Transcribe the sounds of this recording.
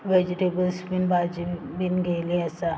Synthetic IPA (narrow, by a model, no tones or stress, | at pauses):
ʋed͡ʒiʈebəlspinbaːd͡ʒi | binɡeliɛsa